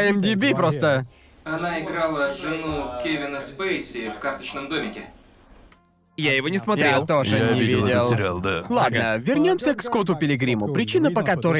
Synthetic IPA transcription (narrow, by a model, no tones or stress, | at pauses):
ɛmd̪ʲɪbʲipɾost̪ə | ɐnaɪɡɾɑlˠɐʒɨnukʲɛʋʲɪnɐspɐɪsʲɪfkɐɾt̪ɐʃʲnɐmd̪umʲɪkʲɛ | jajɪvonʲɪsmɐtj̪ɾʲelˠt̪oʂɐɪvʲidʲɪllˠɾʲelˠd̪alˠad̪nəvʲɪrnʲomsʲəkskot̪̬ʊpʲɪlʲɪɡɾʲimʊpɾʲɪt͡ɕinəpɐkat̪oɾə